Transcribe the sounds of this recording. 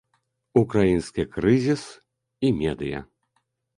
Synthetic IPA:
ukɾajinskʲikɾɨzʲis | imʲɛd̪ɨjɐ̰

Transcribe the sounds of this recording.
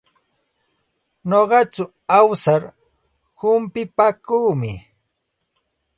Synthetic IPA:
noɢɑt͡ʃʊ | awsaɾ | hʊmpɪpakuːmɪ

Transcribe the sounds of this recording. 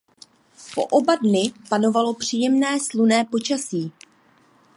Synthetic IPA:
po̞̰ʔobadnɪpano̞valo̞pr̝̥iːjɛmnɛːslunɛːpo̞t͡ʃasiː

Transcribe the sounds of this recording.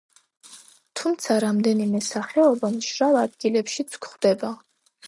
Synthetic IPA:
t̪ʰumt̪sʰaɾamd̪ɛnimɛsaχɛɔbamʒɾalˠad̪ɡilɛpʃit̪sʰkχd̪ɛba

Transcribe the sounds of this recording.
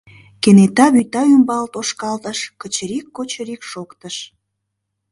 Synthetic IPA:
kenet̪ɑβyt̪ɑymbɑlt̪oʃkɑlt̪əʃkət͡ɕəɾikːot͡ɕəɾikʃokt̪əʃ

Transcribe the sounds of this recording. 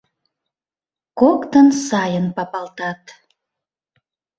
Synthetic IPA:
kokt̪ənsɑjənpɑpɑlt̪ɑt̪

